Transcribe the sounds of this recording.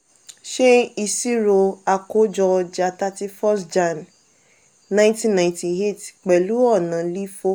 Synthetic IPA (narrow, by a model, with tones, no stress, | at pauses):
ʃe˦i˧si˦ɾo˧a˧ko˨˦d͡ʒɔ˧d͡ʒa˧˨ta˧ti˦fɔ˦sd͡ʒa˨n | nã˦ĩ˦tĩ˦nã˨ĩ˦ti˧e˦˨tk͡pɛ˨lu˨˦ɔ˦˨nã˨li˦fo˦